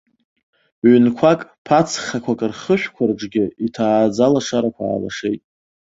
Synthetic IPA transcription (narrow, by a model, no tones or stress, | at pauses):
ʕnkʷʰakʼpʰat͡sʰχakʷʰakʼɨrχəʃᶣʷkʷʰarʈ͡ʂʼɡʲɪitʰaːd͡zalaʂaɾakʷʰa̰ːla̰ʂe̞jtʼ